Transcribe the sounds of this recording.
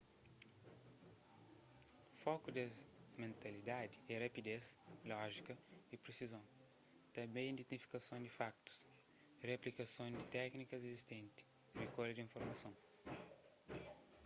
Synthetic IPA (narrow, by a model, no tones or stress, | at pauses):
fɔkud̪ɐmẽnt̪ɐlid̪ad̪iɛrɐpid̪eslɔʒikɐipɾesizõw̃ | t̪ɐ̃bẽj̃ĩnd̪ẽt̪ifi̥kɐsõnd̪ifak̚t̪u̥s | reɐplikɐsõñd̪it̪ɛknikɐzezist̪ẽnt̪i̥ | rekolɐd̪ĩnfoɾmɐsõw̃